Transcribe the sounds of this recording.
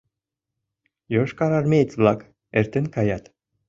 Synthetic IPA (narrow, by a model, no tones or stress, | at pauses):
joʃkaɾaɾmʲet̪t͡sblak | ɛɾt̪ɘnkajat̪